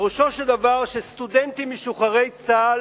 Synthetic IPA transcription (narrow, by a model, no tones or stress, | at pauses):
uʃo̞ʃeld̪avaʁʃest̪udent̪imeʃuχaʁe̞jt͡sal